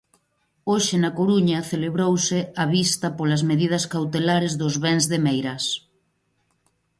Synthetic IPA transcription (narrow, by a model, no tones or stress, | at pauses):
oʃɪnakoɾuɲɐθeleβɾowsɪaβist̪ɐpolazmeðiðɐskawt̪elaɾezðʊzβɛŋzðemejɾɐs